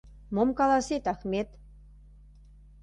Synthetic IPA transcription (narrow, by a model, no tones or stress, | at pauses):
momkɑlɑset̪ɑxmet̪